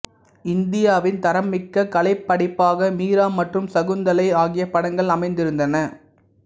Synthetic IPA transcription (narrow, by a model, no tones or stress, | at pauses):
ɪnd̪ɪjaːʋɪnt̪ɐɾɐmːɪkːɐkɐɭɐɪpːɐɽɪpːaːɣɐmiːɾaːmːɐʈrɯmsɐɣɯnd̪ɐlɐɪaːɣɪjɐpːɐɽɐŋɡɐɭɐmɐɪnd̪ɪɾɯnd̪ɐnɐ